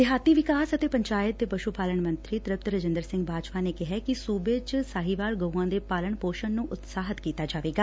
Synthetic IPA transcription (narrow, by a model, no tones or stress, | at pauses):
d̪ɪɦaːt̪iːʋɪkaːsət̪eːpəɲt͡ʃaːjɪt̪̚ːeːpəʃupaːləɳmə̃nt̪ɾiːt̪ɾəp̚t̪ɾəd͡ʒə̃nd̪əɾsɪ̃ŋɡbʱaːd͡ʒpaːneːkɪɦɛːkɪsuːbeːt͡ʃsaːɦiːʋaːlɡəuãːd̪eːpaːləɳpoːʃəɳnũːʔʊt̪saːɦət̪kiːt̪aːd͡ʒaːʋeːɡaː